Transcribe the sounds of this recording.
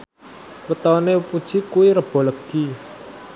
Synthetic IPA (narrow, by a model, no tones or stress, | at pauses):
wət̪ɔnepud̥ʒ̥i̤kuwiɾəb̥ɔ̤ləɡ̥i